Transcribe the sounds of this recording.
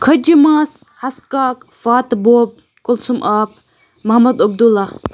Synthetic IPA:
kʰɐd͡ʒimas | hɐskaːk | faːt̪boːb̚ | kʊlsumʔaːp̚ | mɐhmɐd̪ɐb̚d̪ulːa

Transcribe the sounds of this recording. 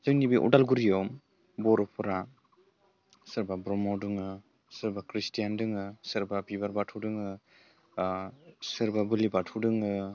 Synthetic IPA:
zɯŋnibiʔɔ̰dalɡuɾijɔm | bɔɾɔpʰɯɾa | sɯɾbabɾɔmɔdɯŋɯ | sɯɾbakɾistijandɯŋɯsɯɾbabibaɾbatʰudɯŋɯ | sɯɾbabɯlibatʰudɯŋɯ

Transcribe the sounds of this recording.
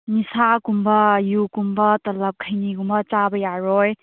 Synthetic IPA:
nisakumbɐjukumbɐtɐlɐp̚kʰəjniɡumbɐt͡ʃabɐjaɾɔj

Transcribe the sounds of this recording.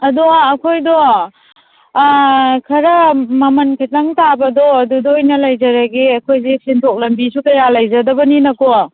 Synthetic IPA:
ɐduaːkʰojdɔ | kʰɐɾɐmɐmɐnkʰitaŋtabɐdɔɐdudɔːjnɐlɐjzɐɾɐɡiɐkʰojzesintʰok̚lɐmbisukɐjɾalɐjzɐdɐbɐninɐkɔ

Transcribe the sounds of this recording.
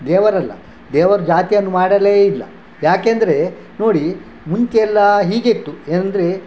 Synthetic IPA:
d̪ɛːʋɐɾɐlːɐ̰ | d̪ɛːʋɐɾud͡ʒaːt̪ijɐnːumaːɽɐleːilːɐ̰ | jaːkeːnd̪ɐɾe̞ | no̞ːɽi | munkeɛlːɐɦiːɡet̪ːueːnɐnd̪ɐɾe̞

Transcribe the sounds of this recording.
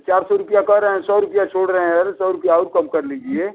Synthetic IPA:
t͡ʃaːɾsɔɾʊpijakəɾəɦɛ̃sɔːɾʊpijat͡ʃʰoːɽɾəɦẽɾsɔːɾʊpijaɔːɾkɐmkɐɾliːd͡ʒieː

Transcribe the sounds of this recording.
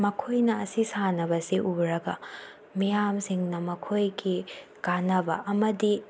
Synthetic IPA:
mɐkʰojnɐɐsisanɐβɐsiʔuɾɐɡɐ | mijamsiŋnɐmɐkʰojɡi | kanɐbɐ̰ʔɐmɐdi

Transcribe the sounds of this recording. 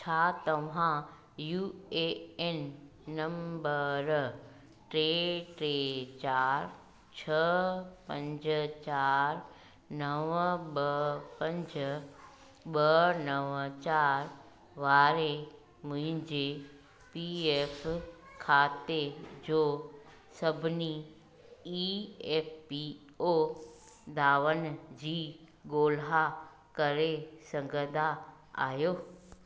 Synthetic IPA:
t͡ɕʰaːt̪ɐʋ̤ã | juːeenː | ɐ̃mbəɾ | ʈɾeːʈɾeːt͡ɕaːɾ | t͡ɕʰɐpɐ̃ɲd͡ʑt͡ɕaːɾ | nɐʋɓɐpɐ̃ɲd͡ʑ | ɓɐnɐʋt͡ɕaːɾ | ʋaːɾe | mʊ̃ɦɪ̃ɲd͡ʑe | pieːfkʰaːt̪ed͡ʑoː | sɐbʱɪni | ieːpʰpi | o | d̪aːʋənd͡ʑiː | ɡoːlɦa | kɐɾesɐ̃ŋɡʱəd̪ʱa | a̰ːjoː

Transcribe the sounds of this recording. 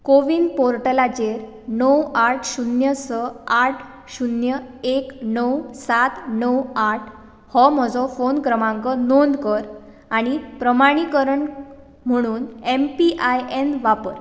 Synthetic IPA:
koʋiːnpoɾʈəlat͡ɕeɾ | nəwaʈʰɕunjəsəaʈʰ | ɕunjəeknəwsat̪nəwaʈʰ | hɔmɔd͡zɔfonkɾəmãŋkənond̪kəɾ | aɽ̃ipɾəmaɽ̃ikəɾəɳ | m̤əɽ̃uːnempiʔajenʋapəɾ

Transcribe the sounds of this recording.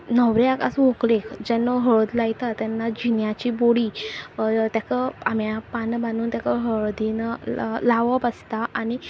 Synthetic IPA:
nəʋɾeaka̰sʋoklekd͡ʑanːɔɦəɭod̪lajt̪at̪janːad͡ʑinjat͡ɕiboɽi | t̪jakəamjapanbanuːnt̪jakəɦəɭod̪inlaʋəpast̪aʔani

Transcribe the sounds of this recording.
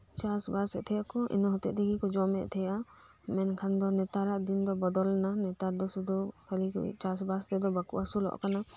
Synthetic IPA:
t͡ʃasbasɛt̪ʰɛjakɔʔḭnɔɦɔt̪ɛ̰ʔt̪iɡikɔd͡ʒɔmɛʔt̪ʰɛja | mɛnkʰand̪ɔnɛt̪aɾaʔd̪ind̪ɔbɔd̪ɔlnanɛt̪aɾd̪ɔsud̪ʱukʰalikt͡ʃasbast̪ɛd̪ɔbakṵʔasulɔ̰ʔkana

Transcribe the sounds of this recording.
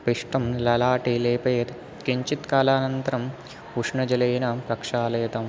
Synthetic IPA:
piʂʈɐmlɐlaːʈiːleːpeːt̪ | kiɲt͡ʃit̪kaːlaːnɐnt̪ɐɾɐm | uʂɳɐd͡ʒɐlɐjnɐpɾɐkʂaːleːt̪ɐm

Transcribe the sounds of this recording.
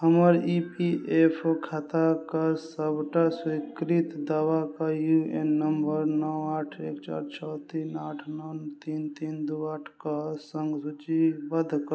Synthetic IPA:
ɦəməɾipieːpʰokʰat̪akasəbʈaswikɾɪt̪d̪aːwakajuenːəmbəɾnɔwaːʈʰeːkt͡ʃa̰ːɾt͡ʃʰɔːt̪iːnaːʈʰnɔnt̪iːnt̪iːnd̪uaːʈʰkasə̃ŋɡsut͡ʃibəd̪ʱk

